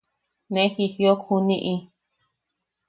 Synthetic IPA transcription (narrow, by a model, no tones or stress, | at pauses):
nẽxihjokhunĩʔĩ